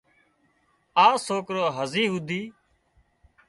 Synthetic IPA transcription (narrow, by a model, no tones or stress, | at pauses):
aːsoːkɾoːɦəziːɦʊd̪ʱiː